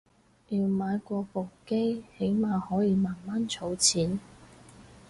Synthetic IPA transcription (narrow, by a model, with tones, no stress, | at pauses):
jiː˨˧wmaː˨˧jkʷɔː˧po˨wke˥jhe˨˥jmaː˨hɔː˨˥jiː˨˧maː˨˩nmaː˥nt͡sʰo˨˧˥wt͡sʰiː˨˥n